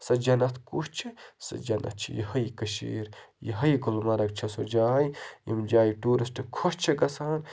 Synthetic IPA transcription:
sɐd͡ʒɐnɐt̪ʰkuʃt͡ʃʰisɐ̰d͡ʒɐnʔɐ̰t̪̚t͡ʃʰḭjḭhɐjkɐʃḭːɾjḭɦɐjɡlmɐɾɐk̚t͡ʃʰɐsod͡ʒaːjjḭmd͡ʒaːjiʈuːɾisʈʰɨkʰoʃt͡ʃʰɐɡɐsaːn

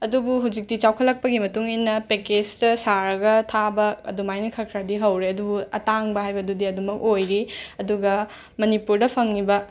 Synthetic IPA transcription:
ɐdubuɦawd͡ʒik̚tit͡ʃawkʰɐlɐk̚pɐɡimɐtuŋinːɐpeked͡ʒdɐsaɾɐɡɐtʰabɐɐ̰dumajnɐkʰɐɾkʰɾadiɦɐwɾeɐdubuɐtaŋbɐɦajbɐdudiɐdumɐk̚ojɾiɐduɡɐ | mɐnipuɾdɐpʰɐŋnibɐ

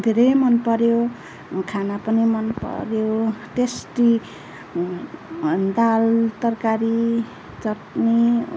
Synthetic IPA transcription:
d̪ʱeɾʌjmʌnpʌɾjo | kʰanapʌnimʌnpʌ̰ɾjoʈesʈi | d̪alt̪ʌrkaɾi | t͡sʌʈne

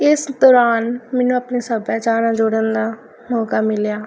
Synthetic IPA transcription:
ɪsd̪ɔːɾaːnmɛːnũːəpneːsəbaːt͡ʃaːɾãːd͡ʒoːɽə̃nd̪aː | nɔːkaːmɪljaː

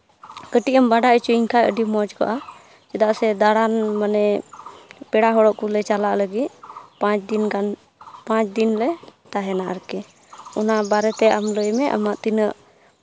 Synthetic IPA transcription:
kəʈiʔəmbaɖaʔət͡ʃuiŋkʰajəɖimɔd͡ʒkɔ̰ʔa | t͡ʃɛd̪aʔsɛd̪aɽanmanɛ | pɛɽaɦɔɽɔʔkulɛt͡ʃalaʔləɡit̪̚pãt͡ʃd̪inkan | pãt͡ʃd̪inlɛt̪aɦɛnaʔə̰ɾkɛ | ɔnabaɾɛt̪ɛamləjmɛʔa̰maʔt̪inəʔ

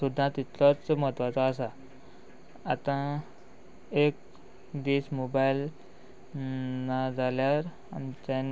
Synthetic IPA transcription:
sud̪ʱːãt̪it̪lɔt͡smət̪ʋat͡sɔasa | t̪ã | ek̚ | d̪ismobail | nad͡zaljaɾ | a̰mtan

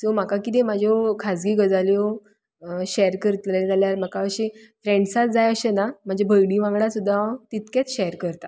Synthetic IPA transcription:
som̤akakit̪̬emad͡ʑʱokʰad͡zɡiːɡəd͡zaljo | ɕɛjəɾkəɾt̪ləd͡zaljaɾm̤əkaəɕefɾẽɳɖsat͡sd͡zajəɕenam̤ad͡ʑʱebʱəjɽiʋãŋɡɽasud̪ʱːat̪it̪ket͡sɕɛjəɾkəɾt̪a

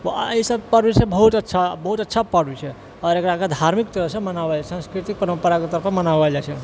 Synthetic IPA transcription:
ʋəisəbpəɾbit͡ʃʰẽbəɦut̪ətːʃʰabəɦut̪ətːʃʰapəɾbit͡ʃʰɛ | ɔɾekɾaked̪ʱaɾmikt̪əɾəɦsə̃mənabalɛsãskɾit̪ik̚pəɾəmpəɾaket̪əɾəpʰəmənabalat͡ʃʰɛ

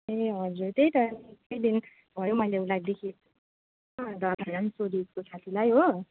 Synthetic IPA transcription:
eɦʌd͡zurt̪ejt̪ʌnkʌjd̪in | bʱʌjomʌjleulajd̪ekʰi | d̪ʌɾansoɾiskot͡sʰat̪ʰilajɦo

